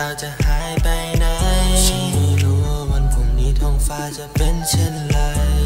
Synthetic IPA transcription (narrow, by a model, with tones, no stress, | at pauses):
a˧wt͡ɕa˧˩ʔhaː˩˦jpa˧jna˧˥ji˧iː˧˩ɾu˧ɤː˧ma˧˥˨nkʰo˨˩ŋniː˧˥˩t̪ʰɔː˧˥ŋfaː˧t͡ɕa˧˩pe˧nt͡ɕʰe˧˥˨nla˧˩j